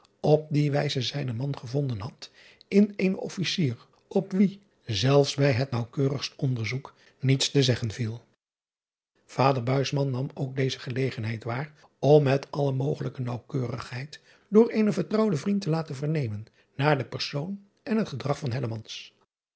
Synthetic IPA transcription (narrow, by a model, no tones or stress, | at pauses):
ʔɔp̚diʋɛjzəzɛjnəmɑnχəvɔndənɦɑt | ɪnejnɔ̰fisiːr | ɔpʋi | zɛlˠfsbɛjɦətnɑwkøːrəχstɔndəɹzuk | nitstəzɛχənvilˠ | v̥aːdəɹbœɥsmɑnːɑmowk̚dejzəχəlejχənɦɛjtʋaːr | ɔmːɛtʰɑləmowχələkənɑwkøːrə̰χɦɛjt | dʊːɹejnəvəɹtrɑwdəvrintəlaːtənvəɹnejmənː | aːɹdəpɛɹsown | ʔɛnɦətχədrɑχfɑnɦɛləmɑns